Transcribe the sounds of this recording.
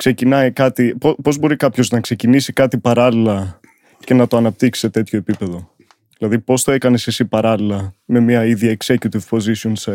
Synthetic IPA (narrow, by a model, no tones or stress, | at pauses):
kse̞cinɐjkɐt̪ipopo̞zbo̞ɾikɐpço̞znɐkse̞cinisikɐt̪ipɐɾɐlilɐ | ce̞nɐt̪oɐnɐp̚t̪iksi̥se̞t̪e̞t̪ço̞epipe̞ðo̞ | ðilɐðipo̞st̪o̞e̞kɐne̞sesipɐɾɐlilɐme̞miɐiðjɐekse̞cut̪ivpo̞zisionse